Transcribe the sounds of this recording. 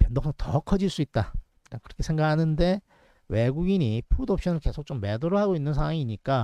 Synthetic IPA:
pjʌndʌks͈ʰʌŋtʌkʰʌd͡ʑiɭs͈uit̚t͈a | ɾakɯɾʌkʰe̞sʰe̞ŋɡahanɯnde̞ | we̞ɡuɡiɲipʰudop̚ɕ͈ʰʌnɯɭke̞sʰok̚t͡ɕomːe̞doɾoɦaɡoinːɯns̬ʰawaŋiɲik͈a

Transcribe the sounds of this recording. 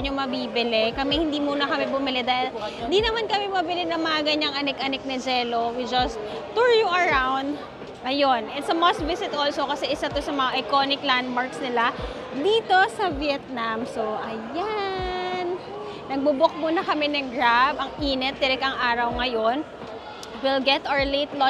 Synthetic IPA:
ɲomɐbiːbɪlɛkɐmɛhɪnd̪imuːnɐkɐmɛbʊmɪlɛd̪aːhɪlɪnd̪inɐmankɐmɛmɐbɪlɛnɐŋmɐŋɐɡɐɲaŋʔɐnɛkʔɐnɛk̚nɐd͡ʒɛːlowid͡ʒɐst̪ | t̪ːuɹjuʔɐɹawnd̪̚ | ʔɐjo̞nʔɛt̪sɐmasvɪsɪt̪ʔoːlso̞kɐsɛʔɪsat̪osɐmɐŋɐʔɐjkonɪkland̪̚maɹksnɪla | d̪iːt̪o̞sɐvijɛt̪̚namsoʔɐja | nː | ɐɡ̚bubʊk̚munɐkɐmɛnɐŋɡɹabɐŋiːnɛt̪̚ːɪɾɪkɐŋʔaːɾɐwŋɐjon | wɪlɡɛt̪ʔaəlejt̪lo

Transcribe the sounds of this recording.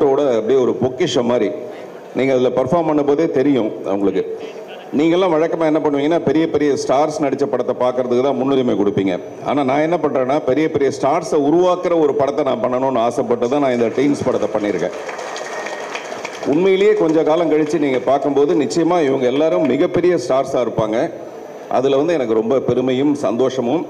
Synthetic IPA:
ʈoːɽɐɐpːɐɽiɔɾɯpɔkːɪʂɐmaːd̪ɾi | niːŋɡɐðɪlɐpɐɾfaːɾmpɐɳːɯmpoːðeːt̪ɛɾɪjʊ̃ɐʋɐŋɡɐɭɯkːɯ | niːŋɡɐɛlːãːʋɐɻɐkːɐmaːɛnːɐpɐɳːɯʋiːŋɡɐnːaːpɛɾɪjɐpɛɾɪjɐsʈaːɾsnɐɽɪt͡ʃːɐpːɐɽɐt̪ːɐpaːɾkɯɾɐðɯkːɯt̪ãːmʊnːʊɾɪmeːkʊɽɯpːiːŋɡɐ̰ | a̰ːnaːnãːɛnːɐpɐɳrẽːnːaːpɛɾɪjɐpɛɾɪjɐsʈaːɾsɐʊɾʊʋaːkɪɾɐɔɾɯpɐɽɐt̪ːɛnãːpɐɳːɐnõːɐnːɯaːsɐpːɐʈːɐðãːnãːɪnd̪ɐʈɐɪnspɐɽɐt̪ːɐpːɐɳːɪɾɯkːḛ̃ː | ʊɳmɐjɪlɐjeːkɔɲd͡ʒɐkaːlɐ̃ŋkɐɻɪt͡ʃːɯniːŋɡɐpaːɾkɯmpoːðɯnɪt͡ʃːɐjɐmaːɪʋɐŋɡɐɛlːaːɾɯʊmːɪɣɐpːɛɾɪjɐsʈaːɾsaːɪɾɯpːaːŋɡɐ | ʔɐ̰ðɪlʋɐnd̪ɯɛnɐkːɯɾɔmbɐpɛɾɯmɐjɯmsɐ̰nd̪oːʂɐmɯm

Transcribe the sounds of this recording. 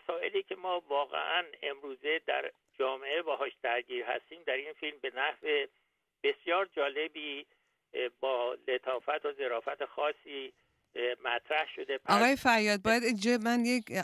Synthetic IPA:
æsɒːe̞̰liːcʰe̞mɒːvɒːɣḛʔæne̞mɾuːze̞d̪æ̰ɾ | d͡ʒɒːmeʔebæːɦɒːʃd̪̥æɾɟiːɾhæ̰st̪iːmd̪æɾinfilmbe̞næhve̞ | b̥e̞sjɒːɾd͡ʒɒːle̞biː | bɒːle̞t̪ʰɒːfæt̪ʰoze̞ɾɒːfæt̪ʰexɒːsːiː | mæt̪ʰɾæhʃo̞d̪epʔʰɒɣɒːjefæɾjɒːd̪̚bɒːjæd̪ed͡ʒɒmænjec

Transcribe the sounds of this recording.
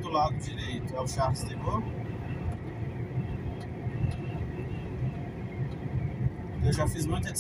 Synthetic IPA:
d̪ʊlad̪ʊd͡ʒiɾejt̪ʊawʃalizd̪ebɐ̃ʊ | ewʒafizmũj̃t̪ɐ

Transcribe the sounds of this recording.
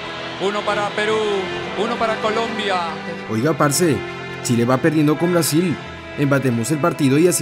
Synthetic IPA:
unopaɾapeɾuunopaɾakolõmbja | o̞jɣapaɾse | t͡ʃileβape̞ɾðje̞nd̪oko̞mbɾasil | empat̪̬e̞mo̞se̞lpaɾt̪iðo̞ias

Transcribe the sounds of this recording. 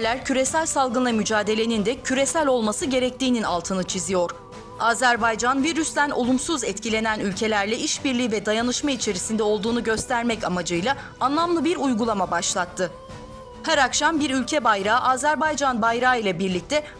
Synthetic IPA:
lʲæɾcʰyɾe̞sælʲsalˠɡɯnˠamyd͡ʒaːd̪e̞lʲe̞nind̪ɛcʰyɾe̞sælʲo̞lˠmasɯɟe̞ɾɛc̚t̪iːnina̰lˠt̪ʰɯnɯt͡ʃʰizijo̞ɾ̥ | aːzæɾbajd͡ʒanviɾysd̪æno̰lˠumsuzɛt̪cilʲe̞nænylʲcʰe̞lʲæɾlʲɛiʃbiɾlʲiːvɛd̪ajanɯʃmait͡ʃʰe̞ɾisind̪ɛo̞lˠd̪uːnuɟø̞st̪ʰæɾmɛcamad͡ʒɯjlˠa | anlˠamlˠɯbiɾujɡulˠamabaʃlˠat̪ʰːɯ | hæɾakʃambiɾylʲcʰɛbajɾaːʔaːzæɾbajd͡ʒanbajɾaːilʲˠɛbiɾlʲic̚t̪ʰɛ

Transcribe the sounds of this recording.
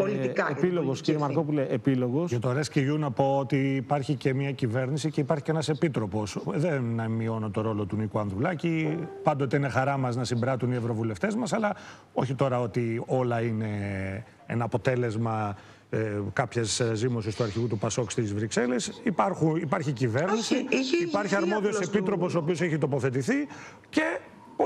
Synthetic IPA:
olit̪ikɐepiloɣosciɾjemɐɾkopuleːpiloɣosɐt̪oɾesceʝunɐpo̞ot̪iːpɐɾçice̞mɲɐcive̞ɾnisice̞ipɐɾçi̥cenɐse̞pit̪ɾo̞po̞sðenːɐmio̞nut̪o̞ɾo̞lo̞t̪unikuɐnθɾulɐcipɐnd̪o̞t̪e̞ine̞xɐɾɐmɐznɐsimbɾɐt̪unievɾo̞vule̞ft̪e̞zmɐsɐlɐ | o̞çit̪o̞ɾɐo̞t̪io̞lɐine̞ | ḛnɐːpo̞t̪e̞le̞zmɐ | kɐpçezzimo̞sist̪uɐɾçiɣut̪upɐso̞kst̪izvɾikse̞le̞sipɐɾxunipɐɾçicive̞ɾnisiipɐɾçiɐɾmo̞ðio̞sepit̪ɾo̞po̞soːpiose̞çit̪o̞po̞θe̞t̪̬iθi | ce̞ | p

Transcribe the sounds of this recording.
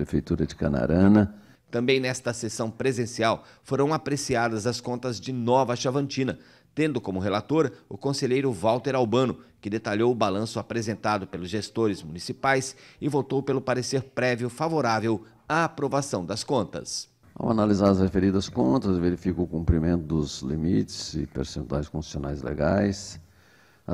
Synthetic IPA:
pɾefejt̪uɾɐd͡ʒɪkɐ̰na̰ɾɐ̃nɐ | t̪ɐ̃mbẽj̃nɛst̪ɐsesɐ̃w̃pɾezẽsiaw | foɾɐ̃w̃apɾesiad̪ɐzɐskõnt̪ɐzd͡ʒɪnɔvɐʃavɐ̃nt͡ʃĩnɐ | t̪ẽnd̪ʊkõmʊɦelat̪oɾʊkõseʎejɾʊvawt̪eɾawbɐ̃nʊkɪd̪et̪aʎowʊbalɐ̃sʊapɾezẽnt̪ad̪ʊpelʊzʒest̪oɾɪzmunisipajsɪvot̪owpelʊpaɾeseɾpɾɛviʊfavoɾavew | ɐːpɾovasɐ̃w̃d̪ɐskõnt̪ɐ̰s | a̰wa̰nalizaɾɐzhefeɾid̪ɐskõnt̪ɐsveɾifikʊkũmpɾimẽnt̪ʊd̪ʊzlḭmit͡ʃɪ̥z̥ɪ̰pḛɾsẽnt̪ua̰jskõsi̥sona̰jzlḛɡa̰js

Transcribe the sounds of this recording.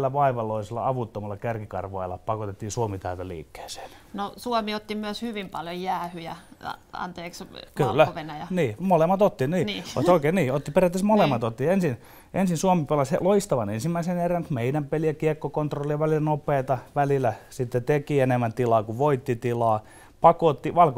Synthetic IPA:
lːæʋɑiʋɑloiselːɑ̰ɑʋut̪ːomɑlːɑkærkikɑ̰rʋɑ̰ilːɑ̰pɑkot̪et̪ːiːnsuomit̪æyt̪ælḭːkːe̥ːse̥ːn | nosuomiot̪ːimyøshyʋimpɑljojjæːhyjæɑ̰nt̪eːkskylːæoʋenæjɑniːmolemːɑt̪ot̪ːiniːnio̰ssoikeːniːot̪ːiperjɑt̪ːesmolemːɑt̪ot̪ːiensin | ʔensinsuomipelɑshḛloist̪ɑʋɑnensimːæiseneræŋkmeidæmpeliɑkiekːokont̪rolːijɑʋælilnopˑeːt̪ɑʋælilːˑæsit̪ːet̪ekienemːænt̪ilɑːkuʋoit̪ːit̪ilɑː | pɑkot̪ːiʋɑlko

